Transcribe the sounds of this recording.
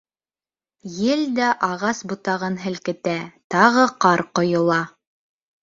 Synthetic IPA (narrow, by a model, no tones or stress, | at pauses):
jɘld̪æʔɑʁɑsbut̪ɑʁɤnɦɘ̆lkɘ̆t̪æt̪ɑʁɤqɑɾqŏjŏlˠɑ